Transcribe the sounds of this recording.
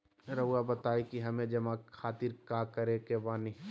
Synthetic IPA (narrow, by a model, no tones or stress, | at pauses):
ɾɐuabɐt̪aːekiɦɐmẽd͡ʒɐmakʰaːt̪iɾkaːkɐɾekebaːni